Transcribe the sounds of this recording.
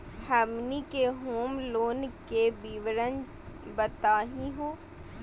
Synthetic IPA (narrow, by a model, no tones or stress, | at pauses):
ɐmnikeɦoːmloːnkebiːʋɾən | bət̪aːɦĩɦoː